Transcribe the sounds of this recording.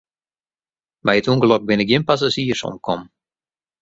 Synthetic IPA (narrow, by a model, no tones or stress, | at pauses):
bɛjətuŋɡlɔk̚bɪnɪk̚jɪnpas̬aziərsɔ̰mkʰɔm